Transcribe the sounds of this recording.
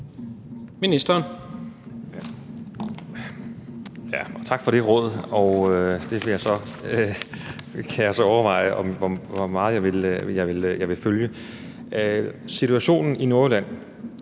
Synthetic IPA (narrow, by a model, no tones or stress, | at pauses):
minisd̥ɐːn | jæɒ̽t͡sʰɑ̈ɡ̥fɒ̽ɾ̥e̝ʁɔ̽ð̞̰ˠɒ̽ʊød̥e̝ʋe̝jɑ̈ɪsɒ̽ø | kʰæjäɪsɒ̽ɒʊɐʋɑ̈ɪ̰əʔɒ̽mʋɒʋɒmɑ̈ːð̩ˠjɑ̈ɪʋe̝ljɑ̈ɪʋe̝ljɑ̈ɪʋe̝føljə | sit͡sʰuæɕo̝̰ːnn̩ino̝ɐlæn̰